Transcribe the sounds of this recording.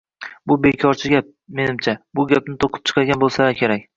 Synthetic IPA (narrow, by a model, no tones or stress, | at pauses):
bʊbekʲʰɒɾt͡ʃʰɪɡʲap̚me̞nɪmt͡ʃʰabʊɡʲap̚nɪt̪ʰoqʰɨ̥p̚t͡ʃʰɨ̥qʰɑd̪ɡʲanbolˠsakʲʰe̞ɾakʲ